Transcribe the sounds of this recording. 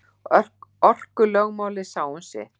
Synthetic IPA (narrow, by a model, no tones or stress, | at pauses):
ɔœr̥ɔr̥kʏlœɣmaːwlɪsaːwʏnsɛ̰